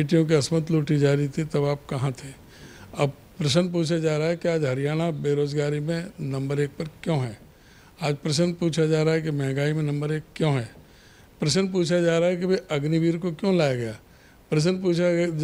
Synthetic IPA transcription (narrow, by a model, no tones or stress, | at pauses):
iʈijõk̬iɐsmət̪loːʈid͡ʒaːɾit̪ʰit̪ɐbaːp̚kɐɦãt̪ʰeː | ɐb | pɾɐʃənp̬uːt͡ʃʰad͡ʒaːɾaaɦɛkiaːd͡ʒɦɐɾijaːɽ̃abeːɾoːzɡaːɾimẽnɐ̃mbəɾeːk̚pɐɾkjõːɦɛː | aːd͡ʒpɾɐʃ̬ənpuːt͡ʃʰad͡ʒaːɾaɦɛk̬imɛ̃ːŋɡaːimẽnɐ̃mbəɾeːkːjõːɦɛː | pɾɐʃ̬ənp̬uːt͡ʃʰad͡ʒaːɾaaɦɛk̬ibeɐɡniʋiːɾkokjõːlaːjaɡɐjaː | pɾɐʃ̬ənp̬uːt͡ʃʰa